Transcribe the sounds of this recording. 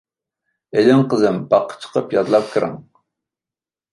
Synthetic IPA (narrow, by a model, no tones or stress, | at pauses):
elɪmqəzɨmbɑqʰːə̥t͡ʃʰə̥qʰəpjɑzlˠɑp̚kʲʰɨɾɨ̰ŋ